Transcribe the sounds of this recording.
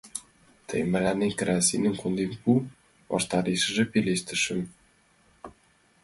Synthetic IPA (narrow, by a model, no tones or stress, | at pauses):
t̪ʰə̰jmælænenkəɾɑsʲḭnə̆ŋkʰond̪enpu | βɑ̰ʃt̪ɑɾeʃə̆ʒĕpeleʃt̪ə̆ʃə̆m